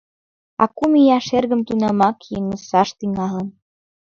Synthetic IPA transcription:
ɑ̰kumijɑʃerɣə̆mt̪unɑmɑkjeŋəsɑʃt̪iŋɑlə̆n

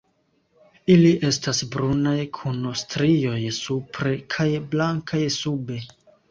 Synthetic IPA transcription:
iliʔe̞stasbɾunajkʰunostɾio̞jsupʰɾe̞kʰajblaŋkʰajsube̞

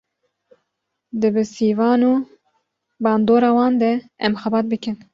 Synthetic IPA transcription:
d̪ɨbɨsiːvɑːnuː | bɑːnd̪oːɾɑːwɑːnd̪ɛɛmxɛbɑːt̪̚bɨkɨn

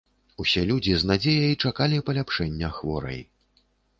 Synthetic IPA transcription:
usʲɛlʲud͡zʲiznad͡zʲejɐjt͡ʂakalʲipɐlʲapʂɛnʲːɐxvɔ̰ɾɐ̰j

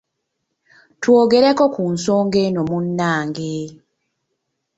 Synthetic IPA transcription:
twoːɡeɾeko̞kuːnso̞ːŋɡenomunːaːŋɡe

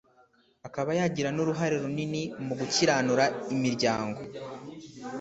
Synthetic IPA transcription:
akaβajaɟiɾanoɾuɦaɾiɾuninimuɡuciɾaːnuɾaimiɾɟaːŋɡo̞

